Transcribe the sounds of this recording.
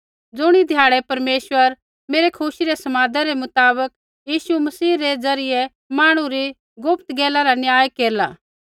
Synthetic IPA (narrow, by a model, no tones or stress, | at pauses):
d͡zʊɽ̃id̪ʱjaːɽɛpɐɾmeːswəɾ | meːɾekʰʊsiɾesɐmaːd̪ʱaɾemʊt̪aːbək | jiːsumɐsiːɾed͡zɐɾɪjɛ | maːɽ̃ũɾi | ɡʊpt̪ɡɛːlaɾanjaːjkeːɾla̰ː